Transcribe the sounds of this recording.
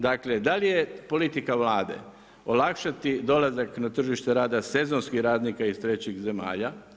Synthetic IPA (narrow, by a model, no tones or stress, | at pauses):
d̪akled̪alije̞po̞lit̪ikaʋlaːd̪e̞̰ | o̞lakʃat̪id̪o̞lazaknat̪r̩ʒiʃt̪e̞ɾaːd̪ase̞zonskixɾaːd̪nikaist̪ɾe̞t͡ɕixze̞ma̰ːʎa